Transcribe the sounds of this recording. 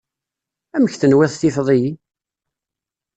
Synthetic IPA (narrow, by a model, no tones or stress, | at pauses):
æməçθənwæθθifðˤiji